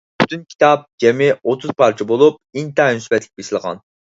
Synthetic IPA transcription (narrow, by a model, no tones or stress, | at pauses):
b̥ʰy̥t̪ʰynkʲʰi̥t̪ʰɑp̚d͡ʒʲɛmɪot̪ʰuz̥pʰɑɾt͡ʃʰibolˠup̚int̪ɑnysbɛt̪ʰlʲɪk̚ʲbeʃlˠəʁɑ̰n